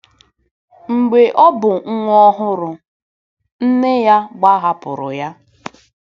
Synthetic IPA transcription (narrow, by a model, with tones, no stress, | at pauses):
ŋ͡m̩˨ɡ͡be˨ʔɔ˦bʊ˨ŋ̩˦ŋʷ˦ɔ˦ɦʊ˦ɾʊ˨ | n̩˦nɪ˦ja˦ɡ͡ba˦ɦa˦pʊ˨ɾʊ̰˨ja˦